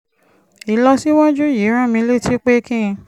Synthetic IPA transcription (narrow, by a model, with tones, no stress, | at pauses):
i˨lɔ˧si˦wɔ̃˦d͡ʒu˦ji˨˦ɾ̃ã˦˨mĩ˧˦le˦˨ti˦k͡pe˦kĩ˦˧